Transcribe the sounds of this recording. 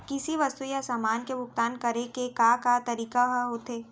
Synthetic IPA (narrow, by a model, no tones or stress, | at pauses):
kɪsiʋɐst̪ujasamaːnkebʱʊk̚t̪aːnkɐɾekekakat̪ɐɾiːkaɦɦoːt̪eː